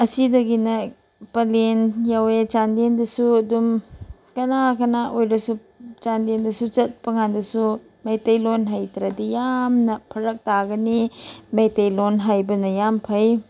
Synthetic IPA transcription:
ɐsidɐɡinɐ | pɐlenjawet͡ʃandendɐsuɐdumkɐnakɐnaʔojɾɐsu | t͡ʃandendɐsut͡ʃɐt̚pɐŋandɐsu | mejtɐjlonɦajtɾɐdijamnɐpʰɐɾɐk̚taɡɐnimejtejlonɦajbɐnɐjampʰɐj

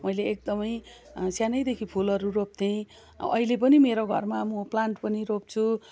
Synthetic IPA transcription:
mʌjleːk̚d̪ʌmʌj | sjanʌjd̪ekʰipʰulʌɾurop̚t̪ʰẽ | ʌ̰ilep̬ʌnimeɾoɡʱʌ̰rmamʌplaɳʈpʌniɾop̚t͡sʰu

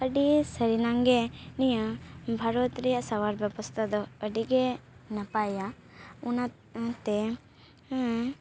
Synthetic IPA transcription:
ɐɖisɐɾinɐŋɡenijubʱɐɾot̪ɾijɐsɐʋaːɾbɐbɐst̪ɐd̪uɐɖiɡenɐpaːja | unɐ | t̪e

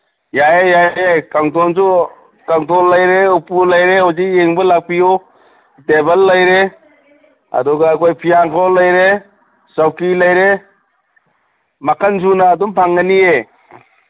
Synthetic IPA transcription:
jajejajjajkaŋtʰɔnsu | kaŋtʰɔlːajɾeupulajɾehozikːeŋbɯlak̚pijo | debɐlːɐjɾe | ɐ̰dɔɡaːkʰojpʰijaŋkʰɔlɐjɾe | sawkilɐjɾe | makʰanzunaːdumpʰaŋːanie

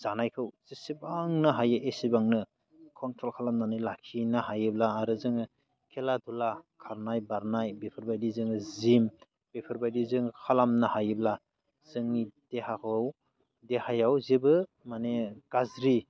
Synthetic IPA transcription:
zanajkʰɯwz̥isibaŋnɯɦajɯʔesibaŋnɯ | kʰɔntʰɾɔlkʰalamnanɯjlakʰinaɦajɯblaːɾɯzɯŋɯ | kʰeladulakʰaɾnajbaɾnajbepʰɯɾbajdizɯŋɯzim | b̥epʰɯɾbajdizɯŋkʰalamnɯhajɯbla | z̥ɯŋid̥eɦakʰɯw | dehajawzebɯ | maneɡ̥azɾi

